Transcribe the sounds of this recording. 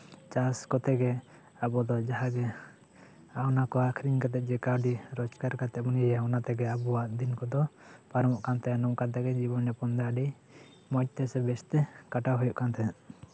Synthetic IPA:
t͡ʃaskɔt̪ɛɡɛ | abɔd̪ɔd͡ʒaɦaɡɛ | anakɔakʰɾiɲkat̪ɛt̪̚ˀd͡ʒɛkawɖiɾɔd͡ʒkaɾkat̪ɛt̪̚buniaɔnat̪ɛɡɛabuaʔd̪inkɔd̪ɔpaɾɔmɔʔkant̪ɛnɔmkat̪ɛɡɛd͡ʒibɔnːɛpɔnd̪aɖi | mɔc̚t̪ɛsɛbɛst̪ɛkaʈaɦujɔʔkant̪ʰɛ

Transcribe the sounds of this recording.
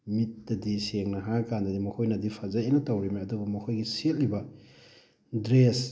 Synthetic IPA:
mit̚ːɐdiseŋnɐɦakandɐdimɐkʰojnɐdipʰɐzainɐtɐwɾimaɐdubɐmɐkʰojɡiset̚libɐ | dɾes

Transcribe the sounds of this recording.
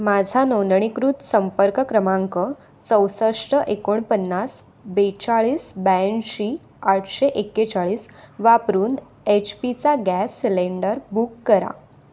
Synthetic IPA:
mad͡zʱanõnd̪ɳ̃ikɾut̪səmpəɾkəkɾəmãŋkə | t͡səwsəʂʈəʔekoɳpənːas | bet͡ɕaɭiːsbɛnɕi | aʈʰɕeʔekːet͡saɭiːsʋapɾuːn | et͡ɕpit͡saɡæsːileɳɖəɾbukːəɾa̰

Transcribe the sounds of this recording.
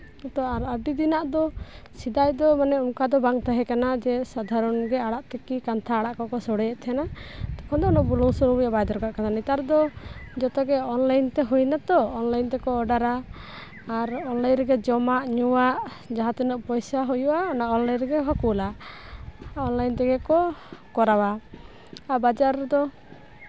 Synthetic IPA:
ɔt̪ɔaɾaɖid̪inaʔd̪ɔsid̪ajd̪ɔmanɛunkad̪ɔbaŋt̪aɦɛkanad͡ʒɛsad̪ʱaɾɔnɡɛaɽaʔt̪ɛkikant̪ʰaːɽaʔkɔkɔsɔɽɛjɛʔt̪ʰɛnad̪ɔkʰɔnd̪ɔɔnɔʔbulɔwsɔɾubijabajd̪ɔɾkaʔkanʰanit̪aɾd̪ɔd͡ʒɔt̪ɔɡɛɔnlajnt̪ɛɦujnat̪ɔɔnlajnt̪ɛkɔːɖaɾaː | ɾɔnlajnɾɛɡɛd͡ʒɔmaʔɲuwaʔ | d͡ʒaɦãt̪ɛnɔʔpɔjsaɦujuʔaɔnaʔɔnlajnɾɛɡɛɦɔkula | ɔnlajnt̪ɛɡɛkɔkɔɾawaː | bad͡ʒaɾd̪ɔ

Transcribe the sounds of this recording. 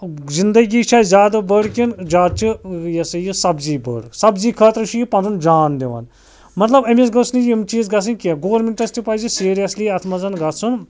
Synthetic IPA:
zind̪ɐɡiːt͡ʃʰaːjzʲjaːd̪abəɽkind͡ʒaːd̪̚t͡ʃʰijɐsɐjisɐbziːbə̰ɽsɐbziːkʰəːt̪ɾɨʃʰijipɐnd̪und͡ʒaːnd̪eʋɐ̰n | mɐt̪lɐbɐmesɡɐsnijimt͡ʃiːzɡɐs̬ɨnʲkeɡoʋɐɾmeɳʈɐst̪ipɐjzisiːɾijɐsliɐt̪ʰmɐzɐnɡɐsʰun

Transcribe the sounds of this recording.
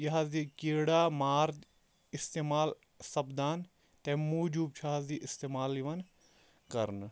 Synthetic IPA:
jɐɦaziːkeːɽaːmaːɾd̪ | ɪst̪eːmaːl | sɐbd̪aːn | t̪ɛmuːd͡ʒuːb̚t͡ʃʰaːziːʔɪst̪eːmaːliʋɐn | kɐɾn

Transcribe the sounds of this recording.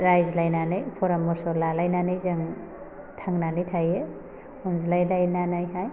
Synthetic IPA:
ɾajzlajnanɯjpʰɔɾamːɔɾsɔlalajnanɯjzaŋ | tʰaŋnanɯjtʰaje | ɔnzlajlajnanajɦaj

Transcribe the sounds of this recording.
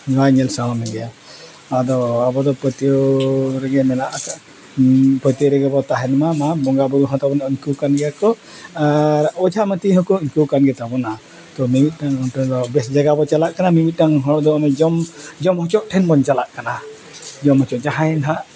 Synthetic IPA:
ɡajɲɛlsawamɛɡɛa | ad̪ɔabɔd̪ɔpɔt̪ijoɾɛɡɛmɛnaʔaa | pɔjt̪oɾɛɡɛbɔt̪aɦɛnmamabɔŋɡabuɾuɦɔ̃t̪abɔnaʔiɲkukanɡɛjakɔ | aɾɔd͡ʒʱamət̪iɦɔ̃kɔiɲkuwkanɡɛt̪abɔna | t̪ɔmimit̪̚ˀdaŋɔʈɛd̪ɔbɛsd͡ʒaɡabɔt͡ʃalaʔkanamimit̪̚ˀdaŋɦɔɽd̪ɔamɛd͡ʒɔmd͡ʒɔmɦɔt͡ʃɔʔ̚ʈʰɛnbɔnt͡ʃalaʔkana | d͡ʒɔmɦɔt͡ʃɔʔd͡ʒaɦajnɦaʔ

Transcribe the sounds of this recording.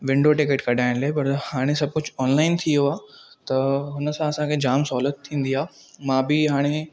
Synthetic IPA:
ʋɪ̃ɳɖoʈɪkeːʈkɐɗaːɪɽ̃laːepɐɾhaːɽ̃esɐb̚ʱkʊd͡ʑɔːnlaːɪnt̪ʰijoaː | t̪ɐɦʊnə̆sãɐsãkʰed͡ʑaːmsɔːlət̪ʰːĩːn̆d̪iaː | mãːbɪɦaːɽ̃e

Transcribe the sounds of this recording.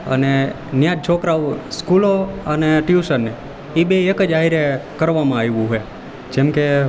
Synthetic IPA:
ə̰ne | njãd͡ʒ̚t͡ʃʰokɾaʋskuloəneʈiusənːe | ibeːkəd͡ʒaiɾekəɾʋamãajʋũɦoe | d͡ʒemke

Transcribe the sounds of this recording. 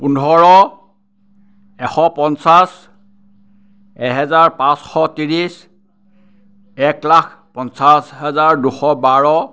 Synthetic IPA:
punʱɔɹɔ | ɛxɔpɔnsas | ɛɦɛzaɹpãsxɔtiɹis | ɛklakʰ | pɔnsasɦɛzaɹduxɔbaɹɔ

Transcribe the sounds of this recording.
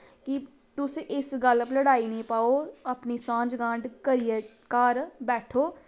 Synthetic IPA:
ki | t̪ʊseʔɪsɡəlbləɽaːinĩːpaːoːɐpnisãːd͡ʒɡãːɳɖkəɾijə | kaːɾbɛːʈʰoː

